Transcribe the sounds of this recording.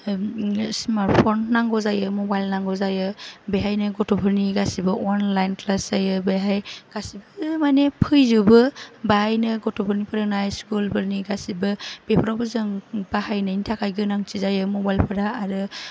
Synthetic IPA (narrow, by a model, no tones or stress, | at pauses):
smaɾt̚pʰɔnːaŋɡɔzajɯmɔbajlnaŋɡɔzajɯbeɦajnɯɡɔtobʰɯɾniɡasibɯɔnlajnklaszajɯbeɦajɡ̥asibɯmanepʰɯjzubɯbaajnɯɡɔtʰupʰɯɾnipʰɯɾanajskulbʰɯɾniɡasibɯb̥epʰɾawbɯzɯŋbahajnɯintʰakʰajɡɯnaŋt͡ʃizajɯmɔbajlpʰɯɾaːɾɯ